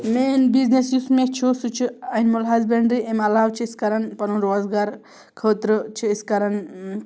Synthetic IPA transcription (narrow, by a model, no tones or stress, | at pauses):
menbiznesjusmet͡ʃʰosut͡ʃʰiɐnmulɦɐzbeɳɖɾiʔemɐlaːwt͡ʃʰiːskaɾɐnpɐnuɾoːzɡaːɾ | kʰəːt̪ɾt͡ʃʰiiskɐɾɐn